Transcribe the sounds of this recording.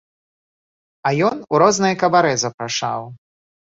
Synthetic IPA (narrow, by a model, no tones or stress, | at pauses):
ɐjɔnuɾɔznɐjɐkɐbaɾɛzɐpɾaʂa̰w